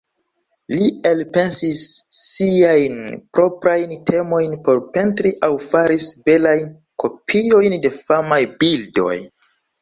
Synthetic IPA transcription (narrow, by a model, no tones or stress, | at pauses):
lielpe̞nsisːiajnpɾo̞pɾajntʰe̞mo̞jnpo̞ɾpe̞ntɾiʔawfaɾisbe̞lajn | ko̞pʰio̞jnde̞famajbildo̞̰j